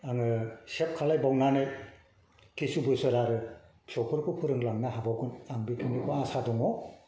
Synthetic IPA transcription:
aŋɯsep̚kʰalajbawnanɯj | kisubɯjsɯɾaɾɯ | psɔpʰɯɾkʰɯpʰɯɾɯŋlaŋnaɦabaɡunaŋbikʰinikɔasadɔŋɔ

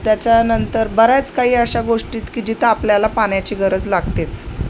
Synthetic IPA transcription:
t̪jat͡ɕanənt̪əɾbəɾjat͡skaɦiːəɕaɡoʂʈiːt̪kid͡ʑit̪ʰapljalapaɳjat͡ɕiːɡəɾəd͡zlaɡt̪et͡s

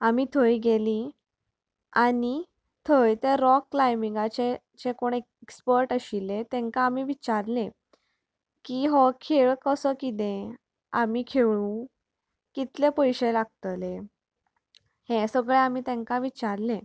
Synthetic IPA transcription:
amit̪ʰəjɡeli | ani | t̪ʰəjt̪eɾɔkːlajmiŋɡat͡ɕe | t͡ɕekoɽ̃e | ekspəɾʈəɕilet̪ẽŋkaːmiʋit͡ɕaɾlẽ | kiɦɔkʰeɭkəsəkit̪ẽ | amikʰeʋũ | kit̪lepəjɕelaɡ̚t̪le | hẽsəɡɭeamit̪ɛ̃ŋkaʋit͡ɕaɾlẽ

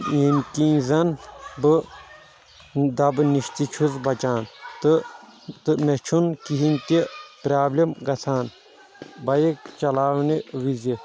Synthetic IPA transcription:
inkĩːzɐnbɨ | d̪ɐbɨniʃt̪it͡ʃʰuzbɐt͡ʃaːnt̪ɨ | t̪ɨmet͡ʃʰunkiɦinʲt̪ipɾaːblʲimɡɐt̪ʰaːn | bɐjikt͡ʃɐlaːwniʋizi

